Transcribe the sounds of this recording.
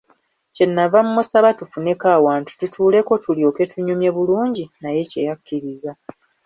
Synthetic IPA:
ce̞nːavamuːusaβatufune̞kaːwaːntu̥tutʰuːle̞ko̞tʰulio̞ːke̞tʰuɲumje̞βuluːɲɟinaje̞ce̞̰jakːiɾiza

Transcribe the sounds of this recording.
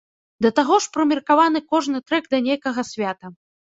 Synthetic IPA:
d̪ɐt̪aɣɔʂpɾɐmʲirkavanɨkɔʐnɨt̪ɾɛɡd̪ɐnʲejkɐɣɐsʲvʲat̪ɐ

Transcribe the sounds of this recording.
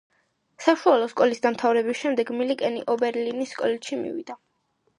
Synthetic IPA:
saʃualˠɔskʼɔlisd̪amt̪ʰavɾɛbisʃɛmd̪ɛɡmilikʼɛnḭʔɔbɛɾlinisːkʼɔlɛt̪ʃimḭvḭd̪a

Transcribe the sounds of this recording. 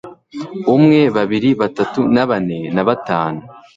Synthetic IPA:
umŋe̞βaβiɾiβatatunaβane̞naβataːnu

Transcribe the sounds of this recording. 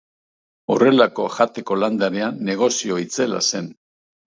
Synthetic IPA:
o̞re̞lako̞ʝat̪e̞ko̞land̪aɾeanːe̞ɣ̞o̞sio̞it͡se̞la̰se̞n

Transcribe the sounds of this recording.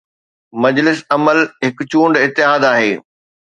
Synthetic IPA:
mɐd͡ʑlɪsɐməlɦɪkʊt͡ɕũːɳɖɪt̪ːɪɦaːd̪aːɦeː

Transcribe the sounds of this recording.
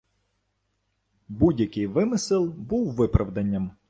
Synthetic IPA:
budʲjɐkɪjʋɪmɪsɪlˠbuwʋɪpɾɐʋd̪ɐnʲːɐm

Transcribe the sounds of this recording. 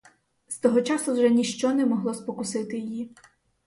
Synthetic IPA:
st̪ɔɦɔt͡ʃɑsʊwʒɛnʲiʃt͡ʃɔnɛmɔɦlˠɔspɔkʊsɪt̪ɪjji

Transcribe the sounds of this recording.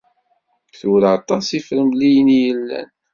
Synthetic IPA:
θuɾɑt̪ˤɑsifɾəmlijənijəlːæ̰n

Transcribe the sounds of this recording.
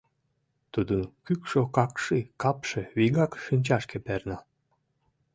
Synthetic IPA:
t̪ud̪ənkykʃokɑkʃikɑpʃeβiɡɑkʃɨnʲt͡ɕɑʃkepernɑ

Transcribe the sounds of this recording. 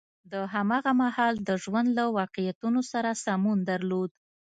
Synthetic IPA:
d̪əɦamɑɣamahɑld̪əʒwand̪lawɑqejat̪unosaɾasamund̪aɾlod̪

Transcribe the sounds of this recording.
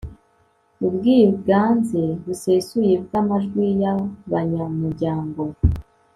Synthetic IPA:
ubɡiːɡaːnze̞βuse̞sujebɡamaʒɡwijaβaɲamuɾɟaːŋɡo̞

